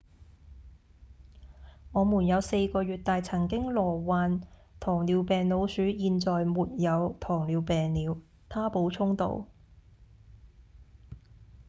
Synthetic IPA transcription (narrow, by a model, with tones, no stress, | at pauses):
ŋɔː˨˧muː˨˩njɐ˨˧wse˧jkɔː˧ɥyː˨t̚t̪aː˨jt͡sʰɐ˨˩ŋkɪ˥ŋlɔː˨˩waː˨nt̪ʰɔː˨˩ŋliː˨˧wpɛː˨ŋlo˨˧wsyː˨˥jiː˧nt͡sɔː˨jmuː˨t̚jɐ˨˧wt̪ʰɔː˨˩ŋliː˨˧wpɛː˨ŋliː˨˧w | t̪ʰaː˥po˨˧˥wt͡sʰʊ˥ŋt̪o̰˨˧w